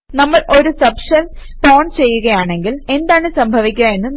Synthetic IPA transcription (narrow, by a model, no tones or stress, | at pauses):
nɐmːɐɭʔo̞ɾusɐpʂɐlspoːɳɖt͡ɕe̞jːuɣɐjaːɳe̞ŋɡile̞nd̪aːɳɨsɐmbʱɐʋikʲːuɐe̞nːɨ